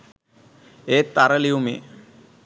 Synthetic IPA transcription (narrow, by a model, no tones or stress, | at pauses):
eːt̪ːaɾəliumḛ